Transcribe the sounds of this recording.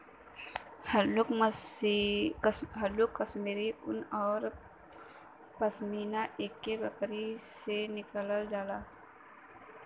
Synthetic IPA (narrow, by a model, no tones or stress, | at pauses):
l | ɦəlʊkːəsmiːɾiʊnɔːɾ | pəsmiːnaʔeːkːebəkɾisenɪkələld͡ʒaːlaː